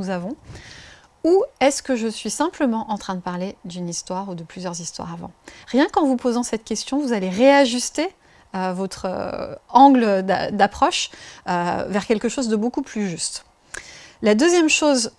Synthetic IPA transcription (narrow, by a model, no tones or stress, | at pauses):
uzavɔ̃ | uɛskəʒəsɥisɛ̃pləmɑ̃ʔɑ̃t̪χɛ̃d̪əpaʁled̪ynist̪waʁud̪əplyzjœʁzist̪wa̰ʁavɑ̰̃ʁjɛ̃kɑ̃vupozɑ̃sɛt̪kʲɛst̪jɔ̃vuzaleʁeaʒyst̪e | øvɔt̪χø̰ɑ̃ɡləd̪a̰d̪apχɔʃø̰vɛʁkʲɛlkəʃozd̪əbokuplyʒyst̪ | lad̪øzjɛmʃoz